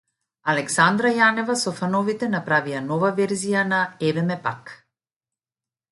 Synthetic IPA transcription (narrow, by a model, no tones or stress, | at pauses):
alɛksand̪ɾajanɛvasɔfanɔvit̪ɛnapɾavianɔvavɛɾzijanaɛvɛmɛpak